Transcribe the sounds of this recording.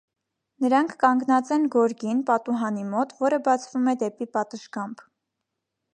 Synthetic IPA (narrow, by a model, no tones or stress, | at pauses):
nəɾɑŋkʰːɑŋɡnɑt͡sɛnɡɔɾɡinpɑt̪uɦɑnimɔt̪vɔɾəbɑt͡sʰvumɛd̪ɛpipɑt̪əʃkɑmb